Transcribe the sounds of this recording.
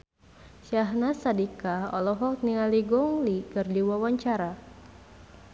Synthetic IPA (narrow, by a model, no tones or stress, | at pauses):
ʃaɦnasadikaɔ̰lɔɦɔk̚nialiɡɔŋlikərdiwawaɲt͡ʃaɾa